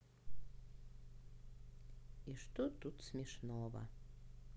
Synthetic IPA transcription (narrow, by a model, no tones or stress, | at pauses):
iʃt̪ot̪ut̪smʲeʃnovə̰